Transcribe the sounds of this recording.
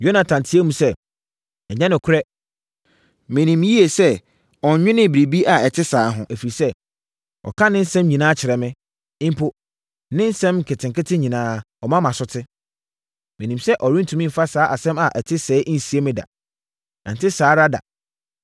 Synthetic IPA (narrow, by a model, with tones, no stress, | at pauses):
jo˦nã˨tʰã˨ntʰɪ˦e˦mũ˨˦sɛ˦ | ɛ˨ɲɛ̃˦nɪ̃˨kʰʊ˦ɾɛ˦ | mɪ̃˨nĩ˨mji˦e˨sɛ˦ | ɔ˨n̩˦ɲᶣɪ̃˦nɪ̃˦bɾi˨bi˦ʔa˨ɛ˨tʰɪ˦saː˨˦ɦʊ̃˨ʔæ˨fi˨ɾi˨sɛ˦ | ɔ̰˨kʰã˦nɪ̃˦n̩˦sɛ̃˦mɲĩ˨nãː˦t͡ɕʰɪ˨ɾɛ˨mɪ̃˦ | ɪ̃˦m̩˦pʰo˦ | nɪ̃˦n̩˦sɛ̃˦m˨kʰɪ˨tʰɪ̃˨ŋkɪ˦tʰɪ̃˦ɲĩ˨nãː˦ | ɔ˨mã˦mã˨sʊ˦tʰɪ˦ | mɪ̃˨nĩ˨msɛ˦ʔɔ˨ɾi˦tʰũ˨mĩ˦m̩˨fa˦saː˦ʔa˨sɛ̃˦ma˨ʔɛ˨tʰɪ˦sɛː˦ʔn̩˨si˨e˦mɪ̃˦da̰˨ | nã̰˨n˨tɪ˦saː˨˦ɾa˦da̰˨